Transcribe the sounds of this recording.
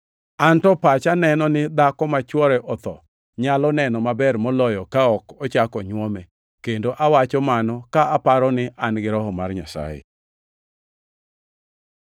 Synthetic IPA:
antɔpat͡ʃanɛnɔnɪd̪akɔmat͡ʃwɔɾɛʔɔt̪ɔ̰ | ɲalɔnɛnɔmabɛrmɔlɔjɔkaɔkɔt͡ʃakɔɲwɔmɛ | kendoʔawat͡ʃɔmanɔkaapaɾɔnɪʔanɡɪɾɔɦɔmarɲasa̰jḛ

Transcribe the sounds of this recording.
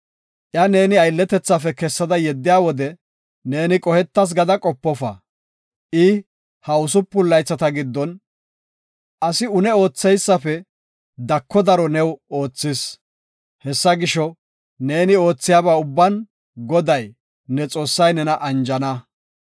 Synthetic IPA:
ʔjɐne̞ːnɪɐjlːɛt̪ɛt͡sːɐfɛkɛsːɐd̪ɐjɛd̪ːɪjaːwɔd̪ɛ | ne̞ːnɪkʼɔhɛt̪ːɐs̬ɡɐd̪ɐkʼɔpːɔfɐ̰ | ʔɪ | hɐʊsʊpːʊlːɐjt͡sːɐt̪ɐɡɪd̪ːɔn | ʔɐsɪʊnɛo̞ːt͡sːɛjsːɐfɛ | d̪ɐkʰːɔd̪ɐɾɔnɛwo̞ːt͡sːɪs | hɛsːɐɡɪʃɔ | ne̞ːnɪo̞ːt͡sːɪjaːbaʊbːɐn | ɡɔd̪ɐj | nɛt͡sʼo̞ːsːɐjnɛnɐʔɐnd͡ʒɐnɐ

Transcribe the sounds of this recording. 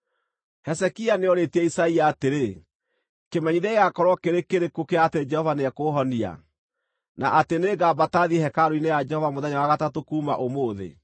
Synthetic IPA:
hɛsɛkianeɔɾetiɛisaiaːteɾe | kemɛɲiðɛeɣakɔɾwɔkeɾekeɾekokeaːted͡ʒɛhɔvaneɛkoːɦɔnia̰ | naʔateneːɡaːbataðihɛkaɾoinejad͡ʒɛhɔvamoðɛɲawaɣatatokuːma̰ʔomoːðḛ

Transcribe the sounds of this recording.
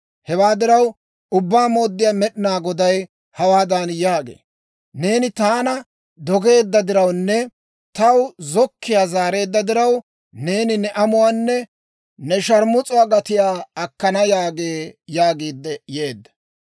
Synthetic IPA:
hɛwaːd̪ɪɾɐw | ʊbːaːmo̞ːd̪ːɪjaːmɛɗɪnaːɡɔd̪ɐj | hɐwaːd̪aːnjaːɡḛː | ne̞ːnɪt̪aːnɐ | d̪ɔɡe̞ːd̪ːɐd̪ɪɾɐwnːɛ | t̪ɐwzɔkːɪjaːzaːɾe̞ːd̪ːɐd̪ɪɾɐw | ne̞ːnɪnɛʔɐmʊwaːnːɛ | nɛʃɐɾmʊt͡sʼʊwaːɡɐt̪ɪjaːɐkːɐnɐjaːɡeːjaːɡiːd̪ːɛje̞ːd̪ːɐ̥

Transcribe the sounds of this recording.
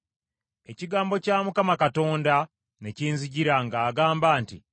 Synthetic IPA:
e̞ciɡaːmbo̞caːmukamakato̞ːnda | neciːnziɟiɾaŋɡaːɡaːmbaːntḭ

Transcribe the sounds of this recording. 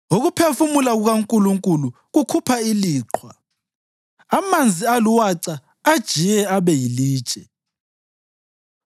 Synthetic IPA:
oɣupʰefumulaɣuɣaŋkʼuluŋkʼulu | ɣukʰupʰailiːǁʰwa | amand͡zʱialuwaǀa | ad̥ʒ̥ʱijɛaβɛjiliːd̥t͡ʃʼɛ

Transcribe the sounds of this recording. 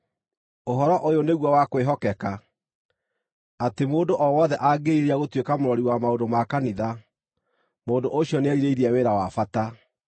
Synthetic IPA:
oɦɔɾɔʔojoneɣwɔwakweɦɔkɛka | atemoːndoʔɔwɔðɛʔaɡeiɾeaɣotwekamoɾɔɾiwamaodomakaniða | moːndoʔoɕiɔneaɾiɾeiɾiɛweɾawafata

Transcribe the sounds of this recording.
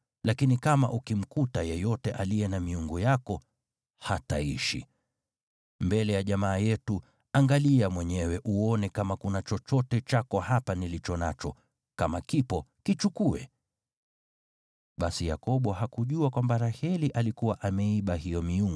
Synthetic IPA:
lakinikamaʔukim̩kutajɛjɔtɛʔalijɛnamiuŋɡujakɔ | hataḭʃḭ | mbɛlɛjaʄamaːjɛtu | aŋɡaliamwɛɲɛwɛʔuɔnɛkamakunat͡ʃɔt͡ʃɔtɛt͡ʃakɔhapanilit͡ʃɔna̰t͡ʃɔ | kamakipɔkit͡ʃukuɛ̰ | ɓasija̰kɔɓɔhakuʄuakwambaɾahɛliʔalikuwaʔamɛiɓahijɔmiuŋɡ

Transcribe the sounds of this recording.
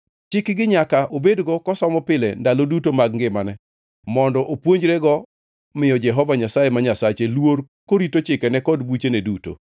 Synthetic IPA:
t͡ʃɪkɡɪɲakaʔobedɡɔkɔsɔmɔpɪlɛndalodutomaɡŋɡɪmanɛ | mɔndɔʔopwoɲd͡ʒɾɛɡɔ | mɪjɔd͡ʒɛɦɔvaɲasajemaɲasat͡ʃelwor | koɾitot͡ʃɪkɛnɛkɔdbut͡ʃeneduto̰

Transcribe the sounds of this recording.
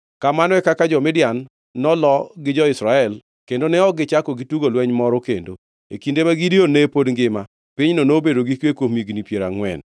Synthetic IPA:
kamanɔɛkakad͡ʒɔmɪdjanː | ɔlɔɡɪd͡ʒɔɪsɾaɛl | kendonɛɔɡɪt͡ʃakɔɡituɡolwɛɲmɔɾɔkḛndo | ekindemaɡidionepodŋɡɪma | pɪɲnonobedoɡikwekwomiɡnipjeɾa̰ŋwɛ̰n

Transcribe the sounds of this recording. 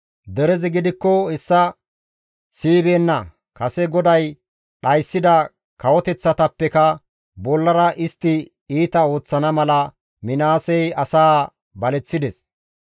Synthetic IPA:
d̪ɛɾɛzɛɡɪd̪ɪkːɔhɛsːɐ | siːbeːnːɐ | kɐsɛɡɔd̪ɐj | ɗɐjsːɪd̪ɐ | kɐwɔt̪ɛt͡sːɐt̪ɐpːɛkɐ | bɔlːɐɾɐʔɪst̪ːɪ | iːt̪ɐo̞ːt͡sːɐnɐmɐlɐ | mɪnaːsɛjɐsaː | bɐlɛt͡sːɪd̪ɛs

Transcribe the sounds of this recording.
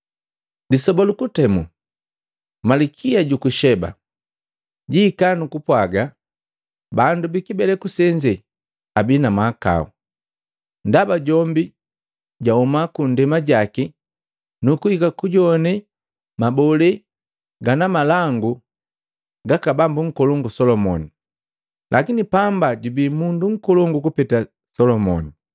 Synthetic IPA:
disɔbɔlukutɛmṵ | malikʰiaɟukuʃɛba̰ | ɟiːkanukupwaɡa | bandubikibɛlɛkusɛɲd͡ʒɛ | abinamaka̰ṵ | ndabaɟɔmbi | ɟaumakundɛmaɟaki | nukuhikakuɟɔnɛ | mabɔlɛ | ɡanamalaŋɡu | ɡakabambuŋ̩kɔlɔŋɡusɔlɔmɔni | lʔakinipambaɟubimunduŋ̩kɔlɔŋɡukupɛta | sɔlɔmɔ̰ni

